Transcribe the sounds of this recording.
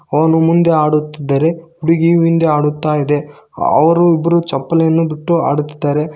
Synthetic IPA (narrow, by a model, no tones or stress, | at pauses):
ɐʋɐnumund̪e̞aːɽut̪ːid̪ːɐɾe̞uɽiɡiʋind̪eaːɽut̪ːaːjid̪e̞ɐ̰ʋɐɾuibːɐɾut͡ʃɐpːɐlɐjɐnːubiʈːua̰ːɽut̪ːid̪ːaːɾe̞